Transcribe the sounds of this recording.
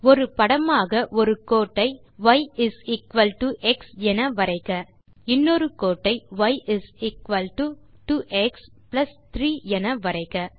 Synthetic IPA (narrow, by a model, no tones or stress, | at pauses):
ɔɾɯpɐɽɐmaːɣɐʔɔɾɯkoːʈːɐɪ | ʋɐɪɪsɪkʋɐlʈuʔɛksɛnɐʋɐɾɐɪkɐ | ɪnːɔɾɯkoːʈːɐɪʋɐɪʔɪsɪkʋɐlʈuʈuʔɛks | plɐst̪ɾiːɛnɐʋɐɾɐɪkɐ